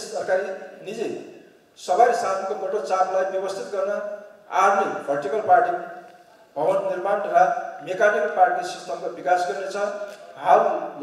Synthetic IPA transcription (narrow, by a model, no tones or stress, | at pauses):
essʌrkaɾinid͡ze | sʌbajsamkoɡoʈot͡samlajbjʌbʌst̪ʰit̪ɡʌrnʌa̰rneɡʱʌʈikʌlparʈi | bʱʌbʌnnirmanramekaniklparʈiksist̪ʰʌmkobikasɡʌɾnet͡sʰʌɦal